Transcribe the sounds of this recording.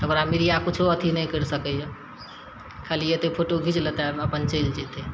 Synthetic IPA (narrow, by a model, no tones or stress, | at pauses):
ɦəmɾamiɾijakut͡ʃʰuət̪ʰinəjkəɾsəkəjə | kʰalijet̪epʰoʈoɡʱid͡ʒt͡ʃlət̪aəpənt͡ʃəld͡ʒet̪e